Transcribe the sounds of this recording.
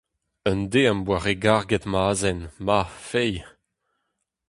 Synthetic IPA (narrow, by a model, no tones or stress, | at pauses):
ənd̪eãmbwaʁeɡaʁɡɛtmaːzɛnmafɛj